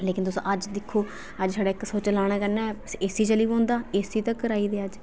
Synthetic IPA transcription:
leːkɪnt̪ʊsõ̰ːʔəd͡ʒd̪ɪkʰːoː | əd͡ʒsaːɽaːɪksoːt͡ʃəlaːɽ̃aːkəɾnɛːesiːt͡ʃəliːbõːnd̪aːeːsiːt̪ãːkəɾaːiːd̪eːəd͡ʒ

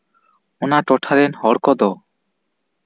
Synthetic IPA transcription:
ɔnaʈɔʈʰaɾɛnhɔɽkɔd̪ɔ

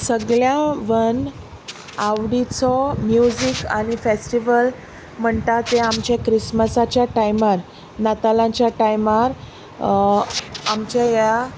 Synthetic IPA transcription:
səɡɭjãʋən | aʋɽit͡sɔmjud͡ʑika̰ɽ̃ifesʈiʋəl | m̤əɳt̪at̪eamt͡ɕakɾisməsat͡ɕjaʈajmaɾ | nat̪alãt͡ɕjaʈajmaɾ | amt͡ɕaja

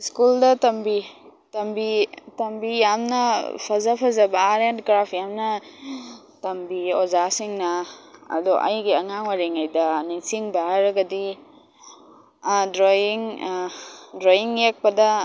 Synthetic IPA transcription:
skuldɐtɐmbitɐmbitɐmbijamnɐpʰɐzapʰɐzɐbɐːɾentɡɾapʰjamnɐ | tɐmbiozasiŋnɐɐ̰dɔʔa̰jɡiɐŋaŋwaɾiŋajdɐniŋsiŋbɐhajɾɐɡɐdi | dɾojiŋ | dɾojiŋjek̚pɐdɐ

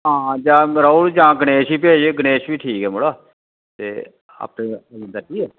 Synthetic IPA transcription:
ɦãːd͡ʒãːɾauːɽd͡ʒãːɡəñeːʃiːpeːd͡ʒeːɡəneːʃʋiːʈʰiːkɛːmoɽaː | t̪ḛː | a̰ːpeəd͡ʒɪ̃nd̪aːkiːɛː

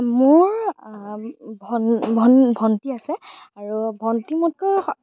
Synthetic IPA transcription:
mʊɹ | bʱɔbʱɔnbʱɔntiasɛ | aɹubʱɔntimut̚kɔ

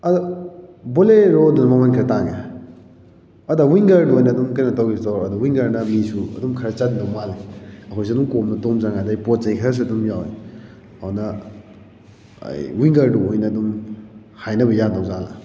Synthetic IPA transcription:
ɐduboleɾodunɐmamankʰɐɾɐtaŋe | ɐdawiŋɡɐɾduojnɐːdumkɐjnɐtawɡistoɾɐduwiŋɡɐɾnɐmisuɐ̰dumkʰɐɾɐt͡ʃatndowmaleɐkʰɔjs̬iɐdumkomnɐtomzaŋajdajpot̚zɐjkʰɐɾɐs̬uɐdumjawe | ɐnɐ | ɐ̰jwiŋɡɐɾduojnɐːdum | hajnɐbɐjandawzalɐ̰

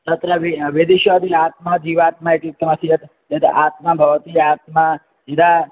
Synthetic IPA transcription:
t̪ət̪ɾəʋeʋed̪eʃad̪ilat̪mad͡ʒiʋat̪̚maeʈit̪ːəməsijət̪ | et̪at̪mabʱəʋt̪iat̪̚ma | d͡ʒid̪a

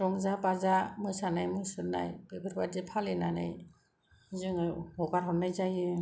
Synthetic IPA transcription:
ɾɔŋzapazamɯsanajmɯsɯɾna̰jbebɯɾbadipʰalenana̰j | zɯŋɯbɔɡaɾɦɔnːajzajɯ

